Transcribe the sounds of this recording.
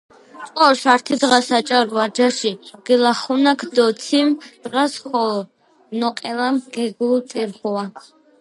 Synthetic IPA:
t̪ʼɔːʃaɾt̪ʰid̪ʁasat͡ʃʼaɾuad͡ʒaʃiɡ̥ilaχɔnakʰd̪ɔt̪sʰimd̪̥ʁasχɔlɔ | nɔqʼɛlamɡ̥ɛɡult̪ʼiɾχɔa

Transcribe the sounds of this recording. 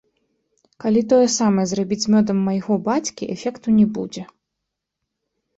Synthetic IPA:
kalʲit̪ɔjɛsamɐjɛzrabʲit͡sʲmʲɔd̪ɐmːɐjɣɔbat͡sʲkʲiʔɛfʲɛkt̪unʲɛbṵd͡zʲɛ

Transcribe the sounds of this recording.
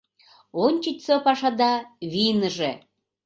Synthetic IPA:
onʲt͡ɕit͡ɕʲsopɑʃɑd̪ɑβinəʒe

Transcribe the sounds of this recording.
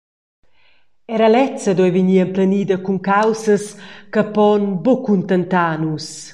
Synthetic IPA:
ɛɾalɛt͡səd̪ɔɛjviɲiːamplaniːd̪əkuŋkawsəskəpɔnbokunt̪ənt̪aːnus

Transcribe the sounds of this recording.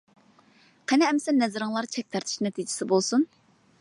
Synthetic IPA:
qʰɛnɛɛmsɛnːɛzɪɾɨŋlˠɑɾt͡ʃʰɛk̚ʲt̪ʰɛɾt̪ʰʃnɛt̪ʰid͡ʒɪ̥sɪbolˠsun

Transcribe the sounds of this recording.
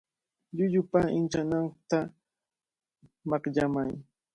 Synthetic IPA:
ʎʊʎʊpaɪnt͡ʃanaŋt̪a | mɑqʎamaj

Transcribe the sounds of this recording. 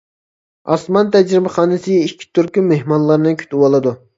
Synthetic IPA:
ɑsmɑnt̪ʰɛd͡ʒɾɪbɪχɑːnɨsɨikʲʰːi̥t̪ʰyɾkʲymehmɑnlˠɑɾnɨŋkʲʰy̥t̪ʰɪwɑlˠɨd̪u

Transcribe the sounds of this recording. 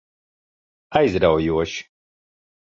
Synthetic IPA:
ajzɾawjuɔʃi̥

